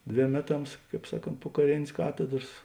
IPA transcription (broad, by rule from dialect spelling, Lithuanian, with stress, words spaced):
ˈdʲʋʲeːm ˈmʲæːˌtɐms ˈkɑːp ˈsɑːˌkoːnt poː kɐˈrʲeːnʲeːs ˈkɑːtʲɛdrɐs